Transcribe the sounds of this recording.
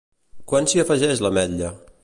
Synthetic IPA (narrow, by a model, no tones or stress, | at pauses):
kwansiəfəʒɛʃləmɛʎːə